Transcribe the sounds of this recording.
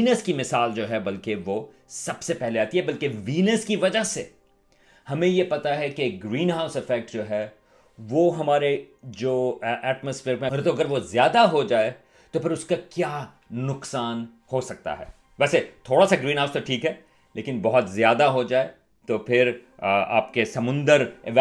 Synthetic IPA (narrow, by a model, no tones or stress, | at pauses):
iːnəskimɪsaːld͡ʒoːɦɛbɐlkeʋo | sɐbsepɛɦleaːt̪iɦɛbɐlkeʋiːnəskiʋɐd͡ʒaɦse | hɐmẽjepɐt̪aɦɛkeːk̚ɡɾiːnɦaːʊsɪfɛːk̚ʈd͡ʒoːɦɛ | ʋoɦɐmaːɾed͡ʒoːʔɛːʈməsfɪːɾpẽɾt̪oɐɡəɾʋozjaːd̪aɦod͡ʒaːe | t̪opʰɪɾʊskakjaː | nʊqsaːn | hosɐk̚t̪a̰ɦɛ̰ː | ʋɛːset̪ʰoːɽasaɡɾĩːnɦaʊst̪oʈʰiːkɦɛ | leːkɪnbɐɦʊt̪zjaːd̪aɦod͡ʒaːe | t̪opʰɪɾa̰ːp̚kesɐmʊ̃nd̪əɾɪ̰ʋ